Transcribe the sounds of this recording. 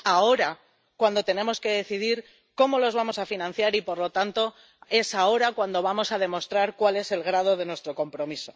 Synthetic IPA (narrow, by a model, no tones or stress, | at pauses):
ao̞ɾa | kwand̪o̞t̪e̞nẽ̞mo̞ske̞ðe̞θiðiɾ | ko̞mo̞lo̞zβamo̞safinãn̟θjaɾipo̞ɾlo̞t̪ant̪o̞ | e̞sao̞ɾakwand̪o̞β̞amo̞sað̞e̞mo̞st̪ɾaɾkwale̞se̞lɣɾað̞o̞ð̞e̞nwest̪ɾo̞ko̞mpɾo̞miso̞̥